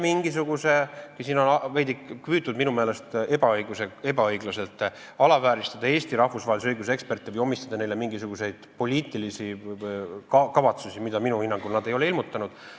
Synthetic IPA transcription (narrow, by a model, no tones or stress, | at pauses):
miŋɡ̥isuɡ̥usekusiːno̞nɑve̞jd̪ikkvyːt̪ːˑud̪minume̞ːle̞st̪e̞bɑɤjɡ̥use̞e̞bɑɤjɡlɑse̞lt̪ːˑ | ɑlɑvæːɾist̪ɑd̪̥ɑe̞ːst̪iɾɑhvusvɑːliseɤjɡus̬ee̞kspe̞rt̪ːˑivɯjo̞mist̪ɑd̪̥ɑne̞jle̞miŋɡisuɡ̥use̞jd̪̥po̞lʲiːt̪ːˑilisi | kɑkɑvɑt̪susʲimid̪̥ɑminuhinːɑŋɡ̥ulnɑd̪e̞jo̞leilmut̪ˑːɑnud̪̥